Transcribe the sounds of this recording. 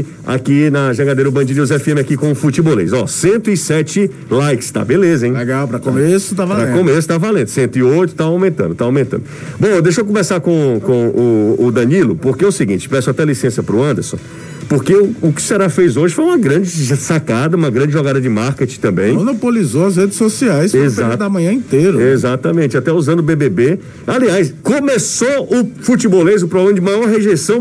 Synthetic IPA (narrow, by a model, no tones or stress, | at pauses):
a̰kinɐʒɐ̃ɡad̪ejɾɐʊbɐ̃d͡ʒid̪ʊzɛfiẽmɪakikõfut͡ʃibolḛjzɔsẽnt̪ʊɪsɛt͡ʃɪ | lajkɪ̥st̪a̰belezɐẽj̃leɡawpɾɐkomesʊ̥t̪avaɾɾɐ̃kõmes̬ʊ̥t̪avalẽd̪ʊ̥sẽnt̪ʊɪojt̪ʊ̥t̪aawmẽnt̪ɐ̃d̪ʊt̪aawmẽnt̪ɐ̃d̪ʊ | ʊbõd̪eʃokõmesaɾkõkõʊːd̪ɐ̃nilʊpoɾkeʊsiɡĩt͡ʃɪ̥pɛsʊat̪ɛlisẽsɐpɾʊɐ̃nd̪ḛɾsõ | poɾkeʊʊkɪ̥sɛɾafejzoʒɪfojũmɐɡɾɐ̃d͡ʒɪʒsakad̪ɐũmɐɡɾɐ̃d͡ʒɪʒɔɡad̪ɐd͡ʒɪmaɾket͡ʃĩ̥t̪ɐ̃mbẽj̃mõnopolizoɐzɦed͡ʒɪsːosiajssezad̪ɐmɐ̃ɲɐ̃ĩt̪eɾʊezat̪ɐmẽt͡ʃɪat̪ɛuzɐ̃nd̪ʊbebebe | aliajskõmesoʊfut͡ʃibolezʊpɾɔblẽmɐd͡ʒɪmajɔɾɦeʒesɐ̃w̃